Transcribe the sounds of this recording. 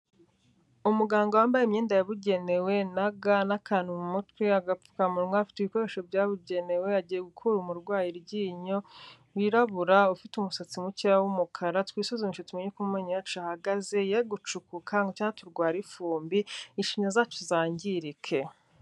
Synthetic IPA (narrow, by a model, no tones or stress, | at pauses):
umuɡaːŋɡowaːmbajemɲeːndajaβuɟe̞ne̞we̞naɡanakaːn̥umumutwiaɡau̥kamuɾŋafi̥tiβiko̞ɾe̞ʃo̞vjaβuɟe̞ne̞we̞aɟiːje̞ɡukʰuɾumuɾɡwaːjiɾɟiːɲo | wiɾaβuɾaufitumusat͡simucijawumukʰaɾatwiːsozimiʃotumeɲekumumeːɲiwat͡ʃuahaɡaze̞jaiɡut͡ʃukukʰaŋɡot͡ʃaːnatuɾɡwaːɾifuːmbiinʃimɲazaːt͡ʃuzaːɲɟiɾikʰe̞